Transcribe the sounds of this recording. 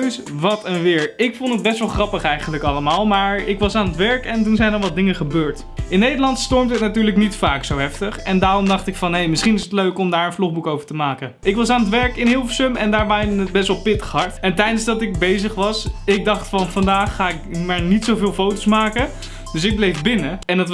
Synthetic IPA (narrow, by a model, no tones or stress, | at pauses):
s | ʋɑtɛnʋɪːɹɪkfontəd̚bɛstʋɛlˠχrɑpəχɛjχənləkɑləmaːlˠmaːɹɪkʋɑsaːnətʋɛɹkɛntunzɛjnɑlʋɑtdɪŋəχəbøːɹt | ɪnːejdəlɑntstɔɹmdɦətnatyːɹləknitfaːksowɦɛftəχɛndaːrɔmdɑχtɪkfɑnɦejmɪsχinɪsətløɥkɔmdaːɹənflɔχbukowvəɹtəmaːkəʔɪkʋɑsaːnətʋɛɹkɪnɦɪlˠfəsɵmɛndaːɹʋajnənət̚bɛstʋɛlˠpɪtə̥χɦɑɹtɛntɛjdənzdɑtɪɡ̚bejzəχʋɑsɪɡ̚dɑχtfɑnvɑndaːχːaːɪkmaːɹnitsowvɪːlˠfowtosmaːkə | d̥ɵs̬ɪɡ̚blejvbɪnəɛnɑt